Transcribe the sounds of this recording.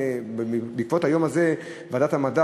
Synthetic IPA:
bikvothajo̞maze | vaːdathamada

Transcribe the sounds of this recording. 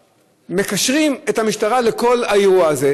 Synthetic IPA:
me̞kaʃʁimethamiʃtaʁale̞ko̞lhaeʁuaːze

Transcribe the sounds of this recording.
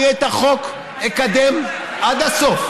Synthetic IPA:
jet̪aχo̞k | ekad̪em | ʔad̪hasof

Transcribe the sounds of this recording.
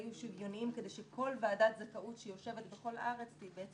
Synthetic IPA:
juʃivjo̞niimkede̞jʃekʰo̞lvaːdat̪zakaʔutʃejo̞ʃe̞vetbeχo̞laʁe̞t͡stibeet͡s

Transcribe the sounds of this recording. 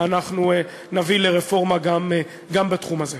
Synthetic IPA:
anaχnue | navileʁefo̞ʁmaɡam | ɡambetχumaze

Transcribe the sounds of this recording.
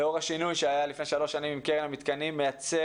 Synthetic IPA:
eo̞ʁhaʃinujʃeajalifnejʃalo̞ʃanimimkeʁenamit̪kanimːejat͡se

